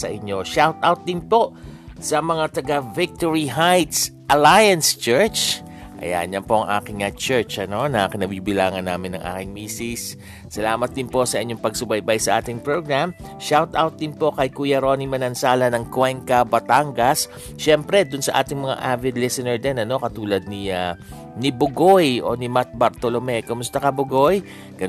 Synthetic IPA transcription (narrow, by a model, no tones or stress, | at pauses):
sɐ̰ʔɪɲːo̞ʃawt̪ʔawt̪̚d̪ɪŋpo̞sɐmɐŋat̪ɐɡavɪk̚t̪oɹiɦajt̪sʔɐlajɐnst͡ʃɛɹt͡ʃ | ʔɐ̰ja̰ɲɐpo̞ʔɐŋʔa̰ːkɪŋɐt͡ʃɛɹt͡ʃʔɐno̞nɐʔa̰ːkɪnɐbiːbɪlaːŋɐnːa̰ːmɪnːɐ̰ŋʔa̰ːkɪŋmiːsɪsː | ɐlaːmɐt̪̚d̪ɪnpo̞sɐʔɪɲːoŋpɐɡ̚sʊbɐjbajsɐʔa̰ːt̪ɪŋpɹoɡɹam | ʃawt̪ʔawt̪̚d̪ɪnpo̞kɐjkuːjɐɾo̞nimɐnɐnsaːlɐnɐŋkwɛŋkɐbɐt̪aŋɡɐs | ʃɛmpɾɛd̪ʊnsɐʔa̰ːt̪ɪŋmɐŋa̰ʔavɪd̪lisɛnɛɹd̪ɛnɐno̞kɐt̪uːlɐd̪̚nia | nibʊɡojʔo̞̰nimat̪̚bɐɾt̪olomɛkomʊst̪ɐkɐbʊɡo̞j | ɡ̥ɐ